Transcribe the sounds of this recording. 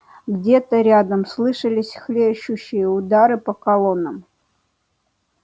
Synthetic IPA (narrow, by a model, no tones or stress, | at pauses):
ɡdʲet̪əɾʲad̪əmslˠɨʂəlʲɪsʲxlʲeɕːʊɕːɪjəud̪aɾɨpəkɐlˠo̞nːəm